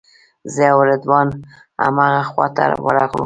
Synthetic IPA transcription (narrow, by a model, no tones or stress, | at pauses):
zeawɾɪd̪wɑn | a̰maɣaxwɑt̪a̰ɾ̰wə̰ɾaɣṵ